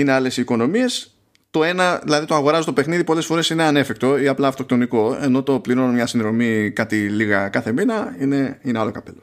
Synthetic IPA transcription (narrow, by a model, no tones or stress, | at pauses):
ine̞ale̞siːko̞no̞mie̞s | t̪o̞e̞nɐðilɐðit̪oɐɣo̞ɾɐzet̪o̞pe̞xniðipo̞lesfo̞ɾe̞sine̞ɐne̞fikt̪o̞iɐplɐːft̪o̞k̚t̪o̞niko̞e̞̰no̞t̪o̞pliɾo̞numɲɐsinðɾo̞mikɐt̪iliɣɐkɐθe̞minɐine̞inealo̞kɐpḛlo̥